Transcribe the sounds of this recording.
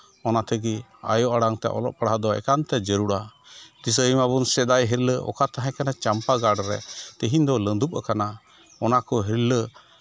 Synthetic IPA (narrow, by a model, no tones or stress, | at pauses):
ɔnat̪ʰɛɡia̰jɔʔaɽaŋt̪ɛ̰ʔɔ̰lɔ̰ʔ̚paɽɦad̪ɔɛ̰kant̪ɛd͡ʒəɾuɽad̪is̬əimabunsɛd̪ajɦiɾləʔɔ̰kat̪aɦɛ̃kanat͡ʃampaɡaɖɾɛ̰t̪əɦind̪ɔlənd̪up̚ˀakana | ɔnakɔɦiɾlə